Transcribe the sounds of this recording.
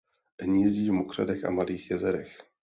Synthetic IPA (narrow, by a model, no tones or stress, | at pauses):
ɦɲiːziːvmokr̝̥a̰dɛxʔa̰maliːxjɛzɛɾɛx